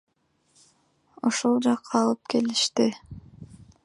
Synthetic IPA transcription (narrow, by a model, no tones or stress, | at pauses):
oʃolˠd͡ʒɑqʰːɑːlˠɯp̚ke̞liʃt̪i